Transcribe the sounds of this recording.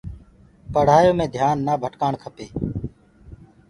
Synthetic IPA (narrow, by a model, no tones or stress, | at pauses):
pəɽ̤aːjoːmẽːd̪ʱjaːnːaːbʱəʈkaːɳkʰəpeː